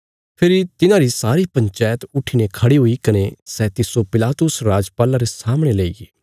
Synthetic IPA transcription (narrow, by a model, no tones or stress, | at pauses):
pʰɪɾit̪ɪnãɾisaːɾipɐ̃ɲt͡ʃaːjət̪ʊʈʰiːnekʰɐɽiɦʊikɐnesɛːt̪ɪsopɪlaːt̪ʊsɾaːd͡ʒpaːlãɾesaːmɽ̃eleiɡiː